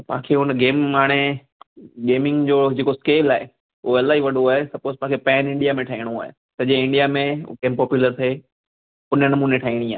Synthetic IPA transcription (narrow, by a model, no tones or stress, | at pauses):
pã̰ːkʰeɦʊnəɡeːmaːɽ̃e | ɡeːmɪ̃ŋɡd͡ʑoːd͡ʑeːkoskeːlaːɦe | ʊɦoɐlaːɦiʋɐɗoaːɦesɐpoːzpãːkʰepɛ̃ːnɪ̃ɳɖijamẽʈʰaɦiːɽ̃õa̰ːɦḛ | t̪ɐd͡ʑeɪ̃ɳɖijamẽkeːmpɔːpjuːləɾt̪ʰɦe | ʊnənɐmuːneʈʰaːiːɽ̃ia̰ː